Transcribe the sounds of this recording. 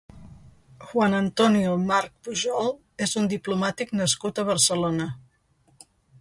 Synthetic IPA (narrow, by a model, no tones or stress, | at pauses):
ʝwanənt̪ɔniumaɾk̚puʒɔlˠ | ezund̪iplumat̪iknəskut̪əβəɾsəlonə